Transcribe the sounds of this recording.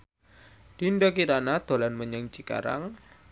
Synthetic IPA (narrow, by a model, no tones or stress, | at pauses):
d̥indɔkiɾanad̪̥o̤lanməɲəŋt͡ʃika̰ɾa̰ŋ